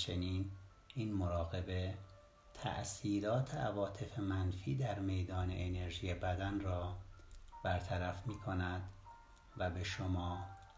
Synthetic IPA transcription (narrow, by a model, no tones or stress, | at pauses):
t͡ʃʰe̞niːn | iːnmoɾɒːɣe̞be̞ | t̪ʰæ̰ʔsiːɾɒːt̪ʰeʔævɒːt̪ʰe̞fe̞mænfiːd̪æɾme̞jd̪ɒːnḛʔːneɾʒiːjebæd̪ænrɒː | b̥æɾt̪ʰæɾæfmiːkʰo̞næd̪ | væbe̞ʃomɒː